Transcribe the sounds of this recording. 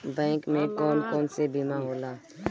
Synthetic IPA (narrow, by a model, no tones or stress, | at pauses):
bɛ̃ːŋkmẽkɔːnkɔːnsebɪmaɦoːlaː